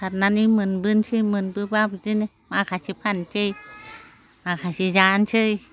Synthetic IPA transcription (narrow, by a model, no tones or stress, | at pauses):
sat̪̚nanimɨnbɯnt͡ʃʰimɯnbɯbapzine | makʰasipʰant͡ʃɯj | makʰasizant͡ʃɯj